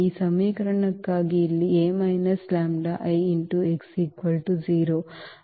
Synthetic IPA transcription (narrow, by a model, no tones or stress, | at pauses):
iːsɐmiːkɐɾɐɳɐkːaːɡiːlːieːmɐjnɐslaːmɖaʔɐjinʈueksikʋɐlʈud͡ʒiːɾoː